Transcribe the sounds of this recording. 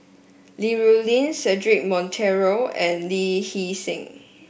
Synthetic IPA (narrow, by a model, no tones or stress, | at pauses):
liɹulĩnsɛdɹik̚mɔ̃ntʰɛɹoɛ̃nlihisɪ̃ŋ